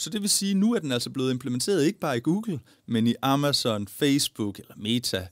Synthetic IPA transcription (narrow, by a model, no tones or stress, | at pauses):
sɒ̽d̥e̝ʋe̝siːnuæɐd̥enæl̰sɐb̥le̝ːð̩ˠe̝mpʰlement͡sʰe̝̰ɐð̞ˠe̝ɡ̥əb̥ɑ̈ːiɡ̥uːɡ̥l̩ | meniʔɑmæsɒ̽nfeɪsb̥uɡ̥elɐme̝ːt͡sʰæ